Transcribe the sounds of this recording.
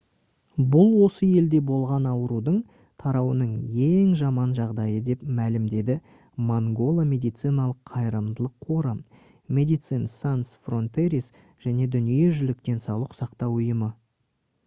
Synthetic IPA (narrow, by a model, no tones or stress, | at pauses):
bʊlˠwo̞səje̞ld̪e̞bo̞lˠʁɑnɑwəɾud̪əɴ | t̪ʰɑɾɑwənəɴje̞ŋʒɑmɑnʒɑʁd̪ɑjəd̪e̞pmælɪmd̪e̞d̪ɪ | moŋɡo̞lˠamʲe̞d̪ijt̪sɨjnɑlˠəqʰːɑjɾəmd̪əlˠəqʰːo̞ɾəm | mʲe̞d̪ijt̪sɨjnsant̪sfro̞nt̪eɾis | ʒ̥æne̞d̪ʏnije̞ʒʏlɪk̚t̪e̞nsɑlˠəqsɑqt̪ɑwʊjəmə